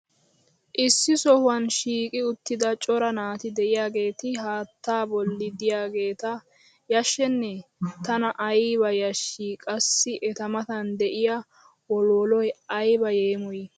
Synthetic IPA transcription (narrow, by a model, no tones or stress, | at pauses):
ʔɪsːɪsɔhʊwɐnʃiːkʼɪʊt̪ːɪd̪ɐt͡ʃʼɔɾɐnaːt̪ɪd̪ɛʔɪjaːɡe̞ːt̪ɪɦaːt̪ːaːbɔlːɪd̪ɪjaːɡe̞ːt̪ɐ | jɐʃːɛnːɛt̪ɐnɐʔɐjβɐjɐʃːikʼɐsːɪʔɛt̪ɐmɐt̪ɐnd̪ɛʔɪja | wɔlɔːlɔjɐjbɐje̞ːmɔjɛ